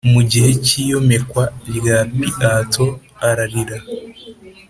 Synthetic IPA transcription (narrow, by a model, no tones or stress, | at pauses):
muɟihe̞cijo̞me̞kwaɾɡapiʔatʰo̞ | aɾaɾiɾa